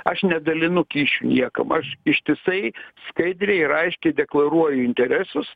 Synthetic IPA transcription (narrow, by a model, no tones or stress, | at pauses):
ɐʃnʲɛd̪ɐlʲɪnʊkʲiːʃʲunʲiɛkɐ̰mɐʃɪʃʲt̪ʲɪsɐɪskɐɪd̪ʲɾʲɛɪɪɾɐɪʃʲkʲɛɪd̪ʲɛklˠɐɾuɔjʊɪnʲt̪ʲɛɾʲæsʊs